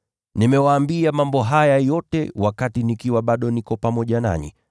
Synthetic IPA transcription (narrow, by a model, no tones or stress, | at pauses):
nimɛwaːmbiamambɔɦajajɔtɛwakatinikiwaɓaɗɔnikɔpamɔʄana̰ɲḭ